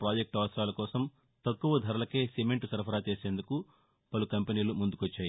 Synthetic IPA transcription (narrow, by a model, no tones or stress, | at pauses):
pɾaːd͡ʒek̚ʈaːʋɐsɾaːlɐkɔːsɐm | t̪ɐkːuʋɐd̪ʱɐɾɐlɐke̞ːsemeɳʈsɐɾpʰɐɾaːt͡ʃeːse̞ːnd̪uku | pɐlukɐmpeniːlumund̪ukʋɐt͡ʃːaːji